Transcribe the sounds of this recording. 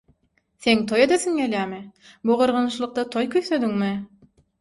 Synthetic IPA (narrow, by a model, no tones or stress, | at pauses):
θeŋt̪ʰo̞jed̪eθiŋɡʲelʲjæːmɪ | buʁɯɾʁɑnɯʃlˠɯq̚t̪ɑt̪ʰojkʲʰøjθød̪yŋmɪ